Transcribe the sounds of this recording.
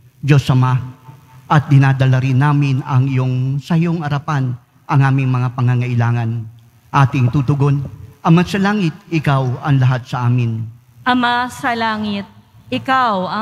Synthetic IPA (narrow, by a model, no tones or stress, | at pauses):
d͡ʒo̞sʔɐma | ʔɐt̪̚d̪ɪnaːd̪ɐlaɾɪnːaːmɪnɐŋɪjoŋsɐjoŋɐɾapan | ʔɐŋʔaːmɪŋmɐŋapɐŋaŋɐʔɪlaːŋɐn | ʔaːt̪ɪŋt̪ut̪ʊɡo̞nʔɐmasɐlaːŋɪt̪̚ɪkawɐŋlɐɦat̪̚sɐʔaːmɪn | ʔɐmasɐlaːŋɪt̪̚ | ɪkawɐ